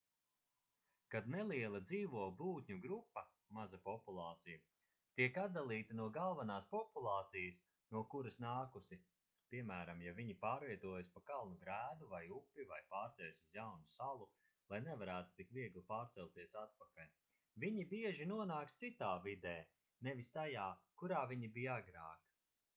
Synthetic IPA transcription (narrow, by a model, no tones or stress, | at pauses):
kad̪neliɛlˠɐd̪ziːvuɔbuːt̪ʲɲuɡɾupːɐ | mazɐpɔpulˠɑːt̪sijɐ | t̪iɛkat̪̚d̪alˠiːt̪inuɔɡalˠvanaːspɔpulˠɑːt̪sijɐs | nuɔkuɾɐsnaːkusi | piɛmæːɾamjaviɲipaːɾviɛt̪uɔjspakalˠnuɡɾæːd̪uvajupʲːivajpaːɾt̪sɛlsizjawnusalˠu | lˠajnevaɾæːt̪u̥t̪ikviɛɡlˠipaːɾt̪sɛlʲˠt̪iɛsat̪̚pakalʲ | viɲibiɛʒinuɔnaːkst̪sit̪aːvid̪ɛː | nevist̪ajaːkuɾaːviɲibijaɡɾa̰ːk